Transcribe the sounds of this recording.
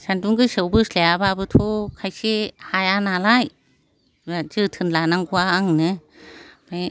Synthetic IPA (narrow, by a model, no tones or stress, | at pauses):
sanduŋɡɯsɯwbɯsleababɯtʰokʰajsehajanalaj | azɯtʰɯnlanaŋɡuaːŋnɯ | maj